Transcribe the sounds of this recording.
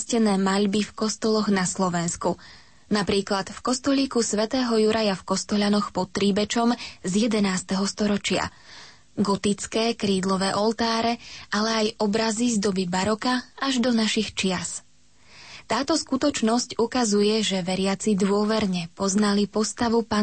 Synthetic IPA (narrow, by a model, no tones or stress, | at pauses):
scɛnɛːmaʎbifkɔst̪ɔlɔɣnaslɔʋɛnsku | napɾiːklat̪fkɔst̪ɔʎiːkusʋɛt̪ɛːɦɔjuɾʔajafkɔst̪ɔʎanɔxpɔt̪ːɾiːbɛt͡ʃɔmzjɛd̪ɛnaːst̪ɛɦɔst̪ɔɾɔt͡ʃɪa̰ | ɡɔt̪it͡skɛːkɾiːd̪lɔʋɛːʔɔlˠt̪aːɾɛʔalɛajɔbɾazizd̪ɔbibaɾɔkaaʒd̪ɔnaʃixt͡ʃɪas | t̪aːt̪ɔskut̪ɔt͡ʃnɔscukazujɛʒɛʋɛɾɪat͡sid̪ʋʊɔʋɛɾɲɛpɔznalipɔst̪aʋupa